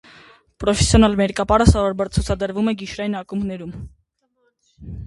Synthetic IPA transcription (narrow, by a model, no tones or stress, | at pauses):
pɾɔfɛsjɔnɑlmɛɾkɑpɑɾəsɑvɔɾbɑɾt͡sʰut͡sʰɑd̪əɾvumɛɡiʃɾɑinɑkumɡnɛɾum